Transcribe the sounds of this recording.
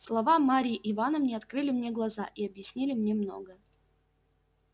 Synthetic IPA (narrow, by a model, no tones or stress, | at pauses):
slˠɐvamaɾʲiːʔɪvanəmnʲeɐt̪kɾɨlʲɪmnʲe̞ɡlˠɐzaʔiɐbjɪsʲnʲilʲɪmnʲe̞mno̞̰ɡə